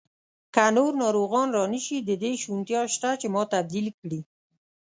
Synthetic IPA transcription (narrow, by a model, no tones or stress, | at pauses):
kanoɾnɑɾoɣɑnɾɑniʃid̪əd̪eʃunt̪jɑʃt̪at͡ʃemɑt̪ab̚d̪ilkɽi